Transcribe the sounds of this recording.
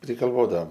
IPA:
pʲrʲɪɡɐlˠˈʋoːdɐoːm

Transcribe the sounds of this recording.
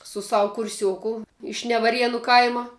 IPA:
sʊ ˈsɑːʋʊ kʊrʲˈsʲuɔkʊ ɪʃ nʲɛʋɐˈrʲiɛnʊ ˈkɐɪmɐ

